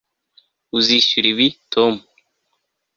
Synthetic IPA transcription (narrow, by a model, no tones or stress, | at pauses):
uziʃuɾiβitʰomu